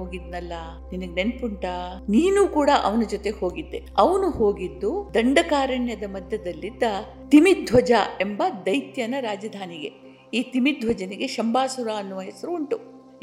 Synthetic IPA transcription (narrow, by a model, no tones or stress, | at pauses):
oːɡid̪nɐlːɐ | ninɐɡene̞npuɳʈaniːnuːkuːɽɐʔɐ̰ʋɐnɐd͡ʒot̪e̞hoːɡid̪ːe̞ɐʋɐnuhoːɡid̪ːud̪ɐɳɖɐkaːɾɐɳjɐd̪ɐmɐd̪ʱjɐd̪ɐlːid̪ːɐ | t̪imid̪ʱʋɐd͡ʒae̞mbɐd̪ɐjt̪jɐnɐɾaːd͡ʒɐd̪ʱaːniɡe̞ | iːt̪imid̪ʱʋɐd͡ʒɐniɡe̞ʃɐmbaːsuɾaɐnːuʋɐɦesɐɾuːɳʈu